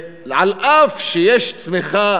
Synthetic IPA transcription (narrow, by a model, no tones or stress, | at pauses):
ʕalʔaːfʃijeʃt̪mɪxa